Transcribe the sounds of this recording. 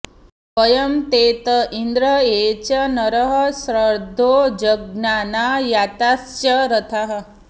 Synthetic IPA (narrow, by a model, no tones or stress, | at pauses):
pəjɐmt̪eːt̪əʔind̪ɾɐet͡ɕɐnɐɾəɦɐ̆sɾəɾd̪ʱoːd͡ʒɐɡnanajat̪asjɐɾɐt̪ʰaɦ